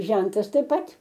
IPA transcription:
ˈʒʲɛntɐs tɐɪp ˈpɐt

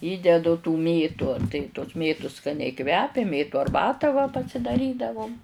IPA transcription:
ˈiːdʲɛdʊ tuː ˈmʲeːtʊ tɐɪ toːs ˈmʲeːtʊs skɐˈnʲɛɪ kʋʲɛpʲɛ ˈmʲeːtʊ ɐrˈbɑːtɑː ʋɐ pɐsʲɪdɐˈrʲiːdɐʋʊm

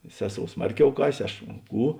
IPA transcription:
ˈsʲæːˌsoːʊ ˈsmɐrʲˌkʲɛʊ ˈkɑːsʲeː ˈɐʃ ˈkuː

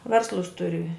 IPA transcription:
ˈʋʲɛrslˠʊs ˈtʊrʲɪ

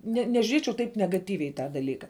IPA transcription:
nʲɛ nʲɛʒʲʊˈrʲiɛt͡ʃʲɛʊ ˈtɐɪp nʲɛɡɐˈtʲiːʋʲɛɪ ɪ ˈtɑː dɐˈlʲiːkɐ

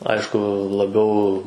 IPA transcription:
ˈɐɪʃkʊ lˠɐˈbʲɛʊ

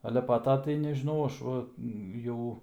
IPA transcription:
ˈɑːlʲɛ pɐ ˈtoː tɐɪ nʲɛʒʲɪˈnɐʊ ˈɐʃ ˈʋɐ ˈjɛʊ

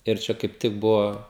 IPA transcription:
ɪr ˈt͡ʃʲɛ kɐɪp ˈtʲɪk ˈbʊʋoː

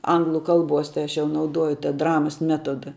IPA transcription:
ˈɐŋɡlˠʊ ˈkɐlˠˌbuɔs tɐɪ ˈɐʃ jɛʊ nɐʊˈduɔjʊ tɐ ˈdrɑːmɐs ˈmʲæːtoːdɐ

